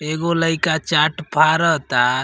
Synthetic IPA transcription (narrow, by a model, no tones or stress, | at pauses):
eɡoləɪkat͡ʃaʈpʰaɾəɦt̪a